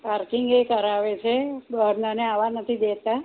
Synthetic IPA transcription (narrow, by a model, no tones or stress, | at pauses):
paɾkɪŋɡekəɾaʋet͡ʃʰebəɾnəneaʋanət̪ʰid̪et̪a